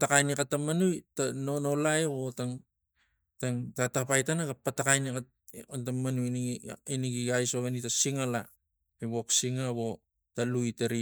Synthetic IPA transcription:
takajnikatːamanujtanono̞laeβotaŋ | taŋtatapajtanaɡapatakajnika | ntamanuniniɡiɡajsoɡanitasiŋala | eβo̞ksiŋaβo̞ | talujtaɾi

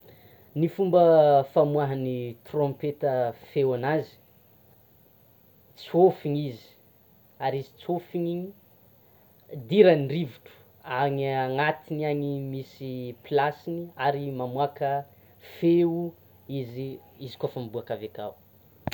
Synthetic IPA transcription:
nifumbəfamwaɦanit̪rõmpet̪əfewanazi̥ | t͡sofiɲizi̥ | aɾizit͡sofiɲi | d̪iɾaniriviʈ͡ʂu̥ | aŋiaŋat̪iniaɲimisiplasiniaɾimamuakə | feu | iziizi̥kofəmbuakaveka̰u

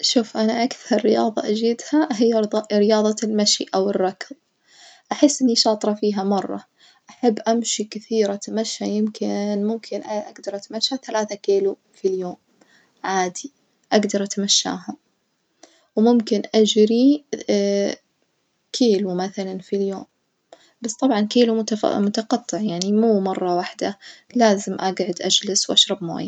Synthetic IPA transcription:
ʃuːfʔanaʔakθɑɾˤːɪjɑːðˤɑ̰ʔad͡ʒiːd̪haɦɪjːaɾɪjɑːðˤɑlmaʃḭʔawɪrˤːɑkl | ʔaħɪsːʔɪnːiʃɑːt̪ˤɾˤɑfiːɦamɑrˤːɑ̰ | ʔaħabːʔamʃikɪθiːɾʔat̪amaʃːajɪmkɪnmʊmkʰɪnʔaʔaɡd̪ɑɾˤʔat̪maʃːaθalaːθakiːlu | filjoːm | ʕaːd̪i | ʔaɡd̪ɑɾˤʔat̪maʃːa̰ːɦa | wmʊmkɪnʔad͡ʒɾi | kʰeːlumaθalanfiljoːm | bast̪ˤɑbʕɑnkiːlṵmʊt̪ɑqɑt̪ˤːɨʕjaʕnimuːmɑrˤːɑwaħd̪alaːzɪmʔaɡʕʊd̪ʔad͡ʒlɪswʔaʃɾˤɑbma̰ːjːa

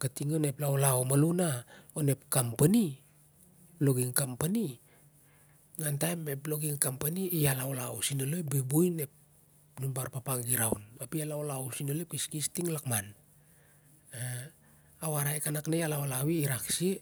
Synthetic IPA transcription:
katiŋoneplaolaomalunaone̞p̚kampani | lo̞ɡiŋkampani | ŋantajmeplo̞ɡiŋkampaniialaolausinalojbebujne̞p̚ | nunbaɾpapaŋɡiɾawnapialaolawsinolep̚kiskistiŋlakman | a | awaɾaekanaknejalaolawiiɾaksi

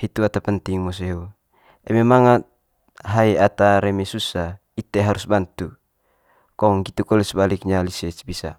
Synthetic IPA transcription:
hit̪uat̪apənt̪iŋmɔs̬eɦo | ɛmemaŋat̪̚ | ɦaiat̪aɾɛmɛsusa | it̪eɦaɾusbant̪u | kɔŋɡit̪ukɔlɛsəbalik̚ɲalisɛsbisa̰

